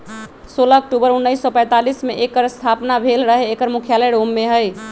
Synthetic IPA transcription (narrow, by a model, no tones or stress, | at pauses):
solək̚ʈubəɾunːəjsːɔpə̃j̃t̪alismeʔekəɾst̪ʰapnabʱelɾəɦeekəɾmukʰjaləɽomːeɦəj